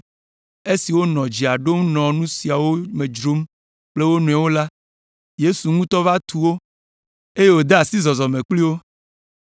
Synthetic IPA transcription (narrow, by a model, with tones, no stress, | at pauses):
e˦si˨wo˦nɔ̃˨d͡ʑi˨a˨ɖo˦mnɔ̃˨nũ˦si˨a˨wo˦mẽ˨d͡ʒɾo˦m | k͡ple˦wo˦nũ˨a˨wo˦la˦ | je˦su˨ŋũ˦t̪ɔ˦va˦t̪ʰu˨wo˦ | e˦je˦wo˦d̪e˦a˨si˦zɔ˨zɔ˨mẽ˨k͡pli˦wo˦